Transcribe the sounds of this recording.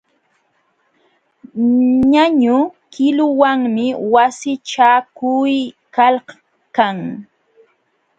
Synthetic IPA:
ɲaɲʊkɪlʊwaŋmɪwasɪt͡ʃakʊj | kalh | kaŋ

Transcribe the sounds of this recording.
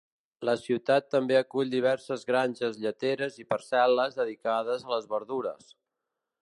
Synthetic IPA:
ləsiwt̪at̪ːəmbeəkuʎʲd̪iβ̞ɛɾsəzɣɾanʲʒəzʎət̪eɾəzipəɾsɛləzðəðikaðəzələzβəɾðuɾə̰s

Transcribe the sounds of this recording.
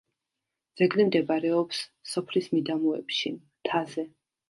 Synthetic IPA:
d̪z̥ɛɡlimd̪ɛbaɾɛɔpsːɔpʰlismid̪amuɛ̰pʃi | t̪ʰazɛ

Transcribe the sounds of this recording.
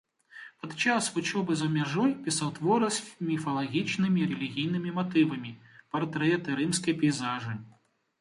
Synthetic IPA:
pɐd̪t͡ʃasvut͡ʃɔbɨzɐmʲaʐɔjpʲisawt̪vɔɾɨsʲmʲifɐlˠaɣʲit͡ʃnɨmʲiɾɛlʲiɣʲijnɨmʲimat̪ɨvɐmʲipart̪ɾɛt̪ɨɾɨmskɐjpʲijzaʐɨ

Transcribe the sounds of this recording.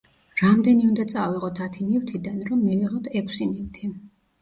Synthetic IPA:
ɾamd̪ɛniund̪at̪sʼaviʁɔt̪ʰat̪ʰinivt̪ʰid̪anɾɔmːɛviʁɔt̪ʰɛkʰsinift̪ʰi

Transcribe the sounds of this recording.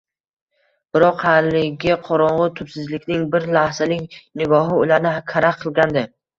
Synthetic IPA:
b̥ɪɾɒqhalːɪɡʲɪqʰɒɾɒɴʁɨt̪ʰʊpsɪzlɪkʲnɪŋbɪɾlahzalɪŋʲnɪɡɒɦɪʊlaɾnɪkʲʰaɾaqʰɨlˠɡʲand̪ɪ

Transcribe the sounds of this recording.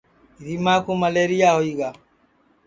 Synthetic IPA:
ɾimakomaleɾijahɔiɡa

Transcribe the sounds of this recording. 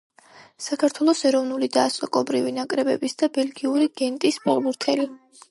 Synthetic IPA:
sakʰaɾt̪ʰwɛlˠɔsɛɾɔvnulid̪aːsʼɔkʼɔbɾivinakʼɾɛbɛ̰bisd̪abɛlɡiuɾiɡ̥ɛnt̪ʼispʼɛɾbuɾt̪ʰɛli

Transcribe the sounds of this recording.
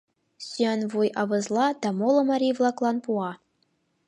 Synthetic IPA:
sʲyænvujɑʋɤ̆zlˠɑd̪ɑmolˠɤ̆mɑɾʲivlˠɑklˠɑnpuɑ

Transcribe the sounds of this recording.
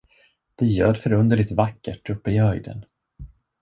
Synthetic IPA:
d̪̥ɛjøːd̪fœɾɵnd̪əɭɪt̪vakːə̰ʈʰːɵpːəɪhœjd̪ə̰n

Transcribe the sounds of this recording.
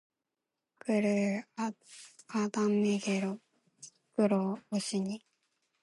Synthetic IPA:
kɯɾɯ | ad̪amːeɡeɾo | kɯɾooɕiɲi

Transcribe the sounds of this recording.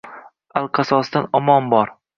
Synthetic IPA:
alˠqʰɑsɒsd̪anɒmɒmbɒɾ

